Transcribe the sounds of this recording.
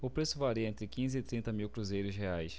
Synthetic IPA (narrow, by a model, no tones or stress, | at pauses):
ʊpɾesʊvaɾiɐẽnt̪ɾɪkĩzɪːt̪ɾĩnt̪ɐmiwkɾuzejɾʊsheajs